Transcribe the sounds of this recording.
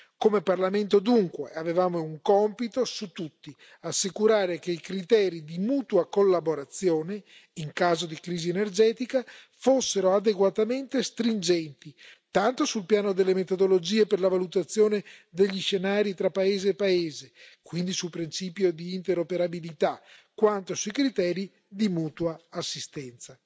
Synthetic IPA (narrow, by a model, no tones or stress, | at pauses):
komeparlament̪od̪uŋkweavevaːmouŋkɔmpit̪osut̪ːut̪ːi | asːikuɾaːɾekeikɾit̪ɛːɾid̪imuːt̪wakolːaboɾat̪sːjoːne | iŋkaːzod̪ikɾiːzienerd͡ʒɛːt̪ika | fosːeɾoad̪eɡwat̪ament̪est̪ɾind͡ʒɛnt̪it̪ant̪osulpjaːnod̪elːemet̪od̪olod͡ʒiːeperlavalut̪at̪sːjoːned̪eʎːiʃenaːɾit̪ɾapːaeːzeːpːaeːzekwind̪isulpɾint͡ʃiːpjod̪iːnt̪eɾopeɾabilit̪akːwant̪osuikɾit̪ɛːɾi | d̪imuːt̪uaːsːist̪ɛnt̪sa